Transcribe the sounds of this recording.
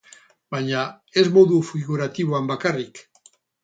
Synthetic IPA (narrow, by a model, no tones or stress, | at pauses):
baɲa | e̞zmo̞ðufiɣuɾat̪iβoambakarik